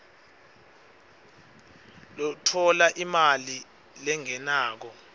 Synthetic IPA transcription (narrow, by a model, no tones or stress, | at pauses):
lɔtʰɔlaʔimali | lɛŋɛnaːk̬ɔ